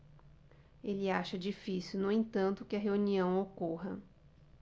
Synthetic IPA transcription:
elɪaʃɐd͡ʒifisiwnʊẽt̪ɐ̃nt̪ʊkɪɐɦeuniɐ̃w̃okoɦɐ

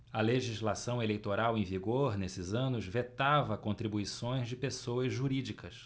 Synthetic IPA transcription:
ɐleʒizlasɐ̃w̃elejt̪oɾawẽj̃viɡoɾnesɪzɐ̃nʊzvet̪avɐkõt̪ɾibuisõj̃zd͡ʒɪpesowɐzʒuɾid͡ʒikʰɐs

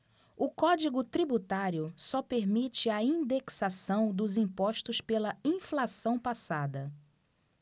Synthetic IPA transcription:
ʊkɔd͡ʒiɡʊt̪ɾibut̪aɾjʊsɔpeɾmit͡ʃɪɐĩd̪eksasɐ̃w̃d̪ʊzĩpɔʃt̪ʊspelɐĩflasɐ̃w̃pasad̪ɐ

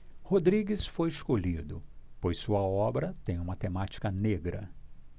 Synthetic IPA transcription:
hod̪ɾiɡɪsfojɪskoʎid̪ʊpojsuɐɔbɾɐt̪ẽj̃ũmɐt̪emat͡ʃi̥kɐneɡɾɐ

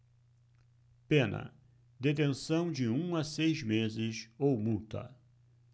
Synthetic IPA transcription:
pẽnɐ̰ | d̪et̪̬ẽsɐ̃w̃d͡ʒɪũasejzmezɪsowmut̪ɐ̰

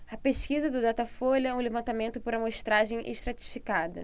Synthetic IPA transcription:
ɐpeʃkizɐd̪ʊd̪at̪ɐfolɛũlevɐ̃nt̪amẽnt̪ʊpoɾɐmoʃt̪ɾaʒẽj̃ʔḛʃt̪ɾat͡ʃi̥fikad̪ɐ̰

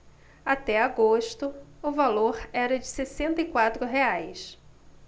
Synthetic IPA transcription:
at̪ɛaɡoʃt̪ʊʊvaloɾɛɾɐd͡ʒɪsesẽnt̪ɐikwat̪ɾʊɦeajs

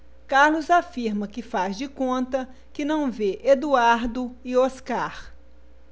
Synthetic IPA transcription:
kaɾlʊzafiɾmɐkɪfazd͡ʒɪkõnt̪ɐ | kɪnɐ̃w̃veʔed̪uaɾd̪ʊɪoskaɾ

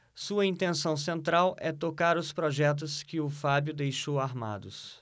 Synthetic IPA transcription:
suɐĩnt̪ẽnsɐ̃w̃s̬ẽnt̪ɾawʔɛt̪okaɾʊspɾɔʒɛt̪̬ʊskɪʊfabjʊd̪ejʃowaɾma̰d̪ʊs

